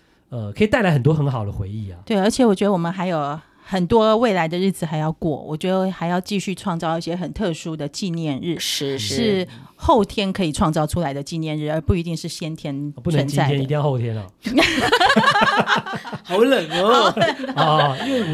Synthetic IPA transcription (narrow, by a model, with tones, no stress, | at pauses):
ə˧kʰɤ˧˥i˨t̪la˦ɪxə˨˩nt̪wɔ˥xə˧˥nxɑ˨˩ʊd̪ə̰˦xwḛ˧˦ɪi˥˩ɐ̰˩t̪we˥˩ɪə˞˧˥t͡ɕʰjɛ˨˩˦wɔ˨˩t͡ɕɥɛ˧˥d̪ə˧wɔ˨˩mə˦nxa˧˥ɪjo˨˩ʊ | xə˨˩nt̪wɔ˥we˥˩ɪla˧˥ɪd̪ə˧ɻɻ̩˥˩d͡zɹ̩˨˩xa˧˥ɪjɑ˥˧ʊkwɔ̰˥˩wʔɔ̰˨˩t͡ɕɥɛ˧˥d̪ə˧xa˧˥ɪjɑ˥˧ʊt͡ɕi˥˧ɕy˥˧ʈ͡ʂʰwɑ˥˧ŋt͡sɑ˥˧ʊ˧i˥˩ɕjɛ˥xə˨˩nt̪ʰɤ˥˩ʂu˥d̪ə˨t͡ɕi˥˧njɛ˥˧nɻɻ̩˥˩˥ʂɻ̩˥˧ | xo˥˩ʊt̪ʰjɛ˥nkʰɤ˧˥i˨˩ʈ͡ʂʰwɑ˥˧ŋt͡sɑ˥˩ʊʈ͡ʂʰu˥la˧˥ɪd̪ə˧t͡ɕi˥˧njɛ˥˧nɻ̩˥˩ə˞˧˥pu˥˩i˧˥i˥˧ŋʂɻ̩˥˩ɕjɛ˥nt̪ʰjɛ˥n˨pu˥˨nəə˧ŋnt͡ɕi˥a˥˩jɛ˥ni˧i˥˧jxʰo˥˩t̪ʰjɛ˦nɐ̰˨˩˧ | lə˨˩ŋ˥˧˨ɔ˧˩i˥we˥˩